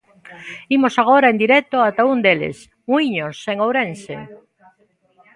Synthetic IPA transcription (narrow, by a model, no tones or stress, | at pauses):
imosaɣ̞oɾaend̪iɾɛk̚t̪oat̪aund̪elḛs | wiɲoseŋowɾense